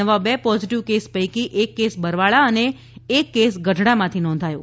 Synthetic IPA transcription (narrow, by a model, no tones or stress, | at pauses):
əʋabepɔziʈiʋkespəjkiʔekːesbəɾʋaɭaəneː | kːesɡəɖʱɽamãt̪ʰinɔ̃nd̪ʱajo